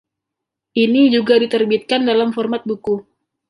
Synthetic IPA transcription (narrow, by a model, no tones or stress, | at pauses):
ʔinid͡ʒuɡadit̪ərbit̪̚kandalamfɔrmat̪̚buku